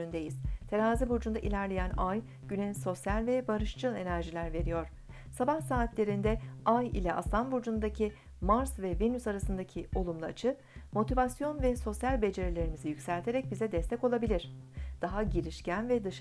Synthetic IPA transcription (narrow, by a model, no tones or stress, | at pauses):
ynd̪ejiz̥t̪ʰeɾaːzibuɾd͡ʒund̪aʔilʲæɾlʲe̞jænaj | ɟ̥ynɛnso̞sjalʲvɛbaɾɯʃt͡ʃʰɯlˠe̞næɾʒilʲæɾve̞ɾijo̞ɾ̥ | sabahsaːt̪lʲe̞ɾind̪ɛajḭlʲɛʔa̰slˠanbuɾd͡ʒund̪acʰi | maɾsvɛvenysaɾasɯnd̪acʰio̞lˠumlˠɯat͡ʃʰɯ | mo̞t̪ʰivasjo̞nvɛso̞sjalʲbe̞d͡ʒe̞ɾelʲe̞ɾimizijycsælʲt̪ʰe̞ɾɛc̚bizɛd̪ɛst̪ʰɛco̞lˠabilʲiɾ̝̥d̪̥aɦaɟiɾiʃcænvɛd̪ɯʃ